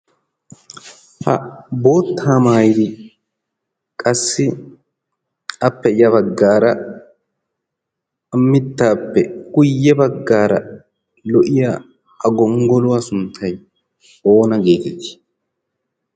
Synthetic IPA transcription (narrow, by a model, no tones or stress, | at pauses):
hɐ̰bo̞ːt̪ʰːaːmaːjɪd̪ɪ | kʼɐsːɪ | ɐpːɛɪjɐbɐɡːaːɾɐ | mːɪt̪ːaːpːɛkʊjːɛbɐɡːaːɾɐ | lɔʔɪja | ɐɡɔŋɡɔlʊwasʊnt̪ʰːɐj | o̞ːnɐɡeːkɛt̪ːɪ̥